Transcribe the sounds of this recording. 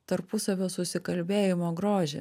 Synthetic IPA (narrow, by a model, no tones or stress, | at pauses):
t̪ɐɾpʊsɐʋʲoːsʊsʲɪkɐlʲbʲeːjɪmoːɡɾoːʒʲḛ